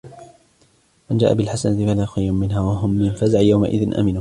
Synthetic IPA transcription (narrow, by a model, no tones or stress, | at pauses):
mand͡ʒaːʔabɪlħasanat̪ɪfalaːʊxajɾʊnmɪnɦaːwaɦʊmːɪnfazaʕjawma̰ʔɪ̰ðɪnʔa̰mɪnuː